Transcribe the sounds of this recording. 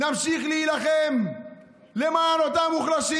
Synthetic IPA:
namʃiχliilaχem | lemanot̪amuχlaʃi

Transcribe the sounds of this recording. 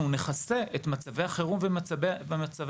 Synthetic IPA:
une̞χase̞etmat͡savejaχeʁumvemvemat͡sav

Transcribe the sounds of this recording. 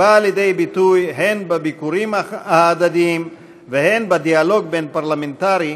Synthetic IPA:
aːljedejbitujɦenbabikuʁimaːd̪adiim | vehe̞nbadialo̞ɡ̚be̞npaʁlamentaʁi

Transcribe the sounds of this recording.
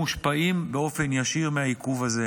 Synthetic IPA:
uʃpaimbeo̞fe̞njaʃiʁmeaikuvaze

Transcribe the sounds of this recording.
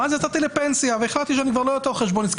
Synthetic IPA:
azjat͡sat̪ilepensiaveeχlat̪iʃ̬eanikvaʁlojot̪eʁχeʃbonisk

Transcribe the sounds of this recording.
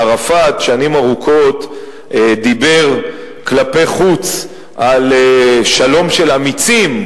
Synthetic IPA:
ʁafat̪ʃanimaʁukʰo̞t̪ | d̪ibe̞ʁ | klape̞jχut͡s | ʔaleʃalo̞mʃe̞lamit͡sim

